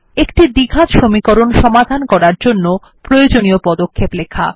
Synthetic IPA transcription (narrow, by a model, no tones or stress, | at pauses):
ekʈid̪iɡʱat̪ʃomikoɾonʃɔmad̪ʱankɔɾaɾd͡ʑonːo | pɾojod͡ʑoniopɔd̪okʰːeplekʰa̰